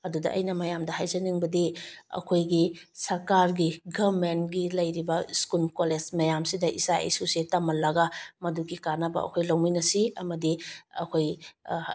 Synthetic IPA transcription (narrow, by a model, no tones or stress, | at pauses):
ɐdudɐ̰ʔɐ̰jnɐmɐjamdɐhajzɐniŋbɐdiɐ̰kʰojɡisɐɾkaɾɡiɡabmentɡilɐjɾibɐskulkolezmɐjamsidɐʔisaḛsusetɐmɐlɐɡamɐduɡikanɐbɐ̰ɐ̰kʰojlawminɐsiɐmɐdiɐkʰoj